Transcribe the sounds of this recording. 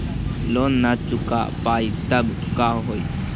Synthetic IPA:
lonːat͡ʃʊka̰pajt̪ɐbkaɦoj

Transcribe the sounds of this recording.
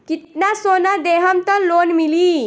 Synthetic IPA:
kit̪nasonad̪eɦamt̪əɾlonmiliː

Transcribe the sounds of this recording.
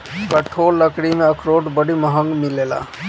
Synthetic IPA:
kəʈʰolːəkɽimeəkɾoʈbəɽiməɦəŋɡmilela̰

